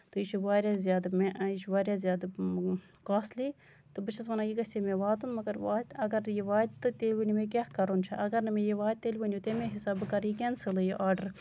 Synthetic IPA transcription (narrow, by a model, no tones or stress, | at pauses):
t̪ɨjit͡ʃʰuʋaːɾʲjaːzʲjaːd̪mẽʔaiʃʋaːɾʲjaːzʲjaːd̪ | kaːsliː | t̪ɨbɨt͡ʃʰɐs̬ʋɐnaːjikɐsʲemẽːʋaːt̪unmɐɡɐɾʋaːt̪ɐɡɐɾjiʋaːt̪t̪ɨt̪eːlʲʋinʲimẽːk̬ʲaːhkɐɾoːnt͡ʃʰɐʔɐɡɐɾnɐmẽjiʋaːt̪̚t̪elʲʋinʲjuːt̪eːmẽɦisaːbɨkɐɾiːkʲeːnsɨlɨjiʔaːɾɖəɾ